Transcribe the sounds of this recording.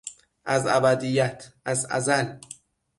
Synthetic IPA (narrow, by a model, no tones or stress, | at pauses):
ʔæzæbæd̪ijæt̪ʰʔæzæ̰zæl